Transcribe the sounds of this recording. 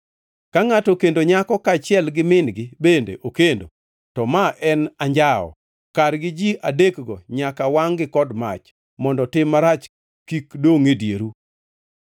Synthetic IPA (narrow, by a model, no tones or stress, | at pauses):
kaŋatɔkendoɲakɔkat͡ʃɪɛlɡɪmɪnɡɪbendḛʔokendo̰ | tɔmaʔɛnaɲd͡ʒaɔ̰ | kaɾɡɪd͡ʒiʔadekɡɔɲakawaŋɡɪkɔdmat͡ʃ | mɔndɔtɪmːaɾat͡ʃ | kikdoŋedjeɾu